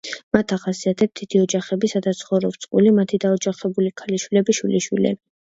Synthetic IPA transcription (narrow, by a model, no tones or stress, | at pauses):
mat̪ʰaχasiat̪ʰɛp̚t̪d̪id̪̥iɔd͡ʒaχɛbisad̪at̪sʰχɔvɾɔp̚t̪sʼqʼṵlimat̪ʰid̪aɔd͡ʒaχɛbulikʰaliʃwilɛbiʃwiliʃwḭlɛ̰b